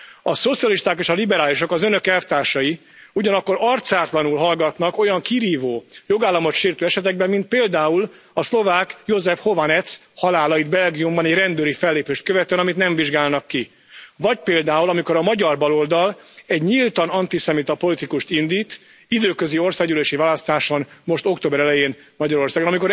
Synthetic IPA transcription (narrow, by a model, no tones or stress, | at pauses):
ɒso̞t̪sijɒliʃt̪aːkeːʃɒlibɛɾaːliʃo̞kɒzønø̞kɛft̪aːʃɒji | uɟɒnɒkːo̞ɾɒrt̪saːt̪lɒnulɦɒlɡɒt̪nɒko̞jɒŋkiɾiːvoːjo̞ɡaːlːɒmo̞t̪ʃiːrt̪øːɛʃɛt̪ɛɡ̚bɛmːint̪̚peːld̪aːul | ɒslo̞vaːkjozɛfho̞vanɛt̪shɒlaːlɒjid̪bɛlɡijumbɒnɛɟrɛnd̪øːɾifɛlːeːpeːʃt̪̚køvɛt̪øɛnɒmit̪nɛɱviʒɡaːlnɒkːi | vɒɟ̚peːld̪aːulɒmiko̞ɾɒmɒɟɒrbɒlo̞ld̪ɒlɛɟɲilt̪ɒnɒnt̪isɛmit̪ɒpo̞lit̪ikuʃt̪ind̪iːt̪ | id̪øːkøzio̞rsaːɡyleːʃivaːlɒst̪aːʃonmo̞ʃt̪okt̪oːbɛɾɛlɛjeːn | mɒɟɒɾo̞rsaːɡonɒmiko̞ɾ